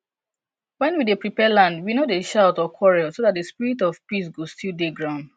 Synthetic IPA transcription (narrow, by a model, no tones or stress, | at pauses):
wɛ̃nwidepɹipɛlãndwinodeʃaʊtɔkʰwɔɹɛlsodat̚dəspiɹitɔvpis̬ɡostilˠdeɡɹãʊ̃nd